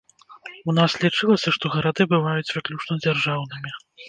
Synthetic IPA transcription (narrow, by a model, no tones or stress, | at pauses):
unaslʲit͡ʂɨlˠɐsʲɐʂt̪ɔɣɐɾad̪ɨbɨvajut͡sʲvɨklʲut͡ʂnɔd͡zʲarʐawnɨmʲi